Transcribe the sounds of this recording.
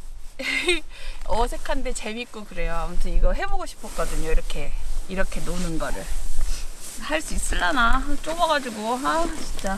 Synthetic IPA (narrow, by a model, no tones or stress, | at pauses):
ʌsʰe̞kʰande̞t͡ɕe̞mik͈okɯɾe̞joamutʰɯniɡʌɦe̞boɡoɕʰi̥pʰok͈ʌdɯɲoiɾʌkʰe̞iɾʌkʰe̞nonɯnɡʌɾɯɭ | haɭs͈uis͈ɯɭːanaat͡ɕ͈oɡʌɡad͡ʑiɡoɦat͡ɕint͡ɕ͈a